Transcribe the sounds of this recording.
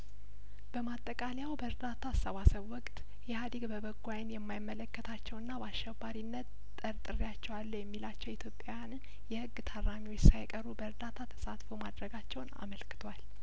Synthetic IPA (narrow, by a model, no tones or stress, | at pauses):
b̥əmat̪ʼːəkʼaljawbəɾd̪at̪ʰasəβasəβwɔkʼt̪ʼ | jɛhad̪iɡbəbəɡʷajnjɛmːajɪmːələkːət̪ʰat͡ʃːɛwɨnːabaʃɛbːaɾinːət̪ | t̪ʼːəɾt̪ʼɨɾjat͡ʃːɛwalːəjɛmːilat͡ʃːɛwit̪ʰjo̞pʼjawjann | jɛhɨɡːt̪ʰarːamiwot͡ʃsajkʼəɾubəɾd̪at̪ʰat̪ʰə̥sat̪fomad̪ɾəɡat͡ʃːɛwna̰məlkɨ̥t̪ʰwal